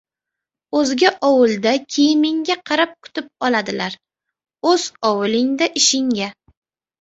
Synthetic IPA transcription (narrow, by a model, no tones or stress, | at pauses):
ɵzɡʲaʔɒwɪlˠd̪akʲʰejɪmɪŋɡʲaqʰɑɾap̚kʰʊ̥t̪ɪp̚ɒlˠad̪ɪlaɾ | ɵz̥ɒwɪlɪŋd̪aʔɪʃɪŋɡʲa